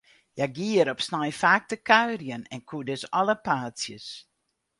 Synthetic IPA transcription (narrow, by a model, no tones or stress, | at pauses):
jaɡiəɾɔpsnajfaːk̚təkʰœɥrjənɛnkʰudøsɔləpaːsjəs